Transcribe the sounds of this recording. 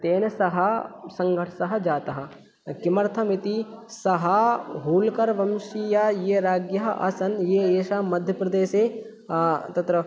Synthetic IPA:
t̪eːnɐsɐɦɐsɐŋɡʱɐʈʰsɐɦɐ̆d͡ʒaːt̪ɐɦɐ | kimɐɾt̪ʰɐmit̪isɐɦɐɦuːlkɐɾʋɐmʃijajeːɾaːɡjɐɦɐʔɐ̰sɐnjeːeːʃaːmɐd̪ʱjɐpɾɐd̪eːseː | t̪ɐt̪ɾɐ

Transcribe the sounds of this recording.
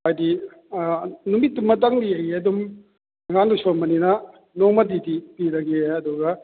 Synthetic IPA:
ajdi | numitːmɐt̬ɐŋdiɐjɐdum | ɐŋandusoɾmɐninɐ | noŋmɐt̬idipiɾɐɡeɐduɡɐ

